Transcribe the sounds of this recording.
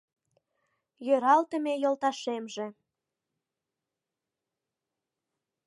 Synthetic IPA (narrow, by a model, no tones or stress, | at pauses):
jøɾɑlt̪ə̆mejolt̪ɑʃemʒĕ